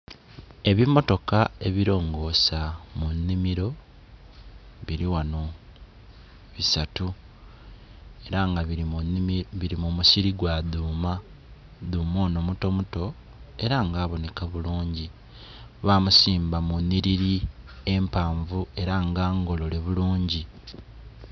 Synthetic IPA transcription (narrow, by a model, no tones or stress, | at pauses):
e̞βimːo̞to̞kae̞βiɾo̞ːŋɡo̞ːsamunːimiɾo̞ | βiɾiwano̞ | βisatu | e̞ɾaŋɡa | βiɾimumusiɾiɡwaduːma | d̪uːmo̞ːno̞muto̞muto̞ | e̞ɾaŋɡaːβo̞ne̞kaβuluːɲɟi | βamusiːmbamunːiɾiɾie̞mpaːɱvue̞ɾaŋɡaːŋɡo̞lo̞le̞βuluːɲɟi